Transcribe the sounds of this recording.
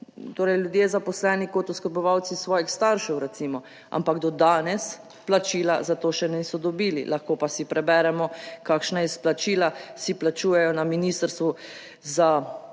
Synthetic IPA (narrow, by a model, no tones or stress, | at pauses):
t̪oːɾɛjljud̪jeːzapɔslɛːnikɔt̪uskɔɾbɔʋawt̪sisʋɔːjixst̪aɾʃɛwɾɛt̪simɔ | a̰mpaɡd̪ɔd̪aːnɛs | plat͡ʃiːlazat̪oːʃɛnisɔd̪ɔbiːlḭlʔaxkoːpasipɾɛbɛɾɛmɔkaːkʃnaɛsplat͡ʃilasiplat͡ʃuːjɛjɔnaminiːst̪əɾst̪ʋu | za